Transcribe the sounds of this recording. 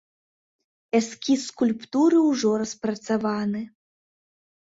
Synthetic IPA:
ɛskʲiskulʲpt̪uɾɨwʐɔɾɐspɾɐt̪savanɨ

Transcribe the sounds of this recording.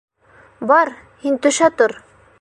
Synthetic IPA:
bɑɾ | hint̪ɵ̆ʃæt̪oɾ

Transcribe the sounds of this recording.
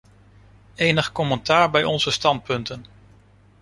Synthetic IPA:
ejnəχkɔməntaːɹbɛjɔnzəstɑnt̚pɵntən

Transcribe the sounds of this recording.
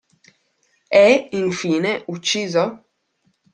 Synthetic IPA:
ɛiɱfiːneʔut͡ʃːiːzo

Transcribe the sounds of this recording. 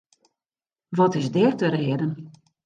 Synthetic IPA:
ʋɔtɪzdɪrtəɾeədən

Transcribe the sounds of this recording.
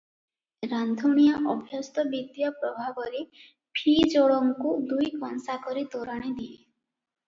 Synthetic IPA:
ɾand̪ʱuɽ̃ijaʔɔbʱjɔst̪ɔbid̪jɔpɾɔbʱabɔɾe | pʰid͡ʒoɭɔŋkud̪ujkɔnsakɔɾit̪oɾaɽ̃id̪ie

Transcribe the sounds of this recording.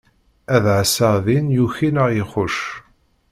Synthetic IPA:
æðʕəsəðinjuçinəʁjɪχʊʃ

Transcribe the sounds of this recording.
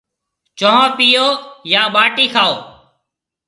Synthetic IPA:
t͡ʃõːɦəɾpiːoːjaːɓaːʈiːkʰaːoː

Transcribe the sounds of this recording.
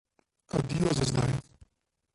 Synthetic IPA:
ad̪iːɔzɛzd̪a̰j

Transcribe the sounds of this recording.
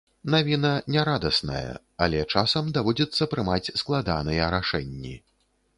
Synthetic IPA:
navʲinɐnʲɛɾad̪ɐsnɐ̰jɐ̰ | a̰lʲɛt͡ʂasɐmd̪avɔd͡zʲɛt̪sːɐpɾɨmat͡sʲsklˠad̪a̰nɨjɛɾaʂɛnʲːḭ

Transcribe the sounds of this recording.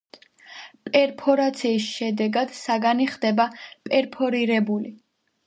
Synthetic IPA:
pʼɛɾpʰɔɾat̪sʰiːsʃɛd̪ɛɡad̪̥saɡaniχd̪ɛbapʼɛɾpʰɔɾiɾɛbuli

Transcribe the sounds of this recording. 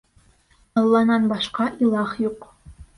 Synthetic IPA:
ɑlˠːɑnɑnbɑʃqɑʔilˠɑχjuq

